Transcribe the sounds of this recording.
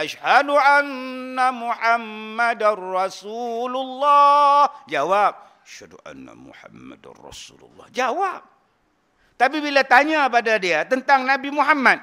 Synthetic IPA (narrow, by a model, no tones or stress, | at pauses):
ʔaʃhaluʔanːamuħamːadarɑsululːɔd͡ʒawap̚ | aʃaduʔa̰nːa̰mṵħamːa̰da̰rɑ̰sulṵlːɑ̰hd͡ʒawap̚ | t̪ap̬ibilat̪aɲãpadadiat̪ənt̪aŋnãbimuɦamːãt̪̚